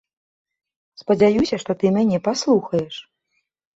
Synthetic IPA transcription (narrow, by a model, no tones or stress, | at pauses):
spɐd͡zʲajusʲɐʂt̪ɔt̪ɨmʲanʲɛpaslˠuxɐjɛʂ